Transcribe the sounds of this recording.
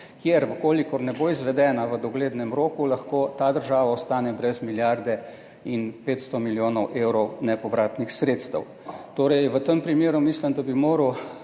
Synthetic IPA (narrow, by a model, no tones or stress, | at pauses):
kjeɾkoːlikɔɾnɛboizʋɛd̪ɛːnaʋəd̪ɔɡleːd̪nɛmɾoːkulɐxkot̪aːd̪əɾʒaːʋaɔst̪aːnɛbɾɛzmiljaɾd̪ɛ | inpeːt̪st̪ɔmiljoːnɔwʔewɾɔwnɛpɔʋɾaːt̪nixsɾeːt̪st̪ɛ̰w | t̪oːɾɛjʋət̪əmpɾimeːɾumislimd̪abimoːɾəw